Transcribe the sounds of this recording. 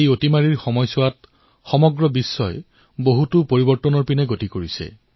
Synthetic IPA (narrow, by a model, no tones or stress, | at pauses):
ejotimaɹiɹxɔmɔjsʊwat̚ | xɔmɔɡɹɔbisːɔj | boɦutʊpoɹibɔɹtɔnɔɹpinɛɡotikoɹisɛ̰